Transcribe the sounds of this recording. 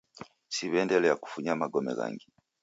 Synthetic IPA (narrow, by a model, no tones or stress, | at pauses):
siβɛːndeleaku̥fuɲamaɡomḛɣa̰ːŋɡi